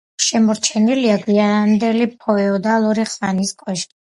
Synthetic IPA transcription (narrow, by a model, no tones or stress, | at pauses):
ʃɛmɔɾt͡ʃʰɛniliaɡwiamd̪ɛlipʰɔɛɔd̪alˠuɾiχsaniskʼwɛʃ